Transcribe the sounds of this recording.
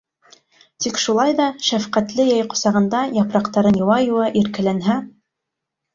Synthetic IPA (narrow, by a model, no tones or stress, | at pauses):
t̪ikʃulˠɑjðɑʃæfqæt̪lɘjɑjqŏsɑʁɤ̆nd̪ɑjɑpɾɑqt̪ɑɾɤnjŏwɑjuwɑʔiɾkɘ̆lænɦæ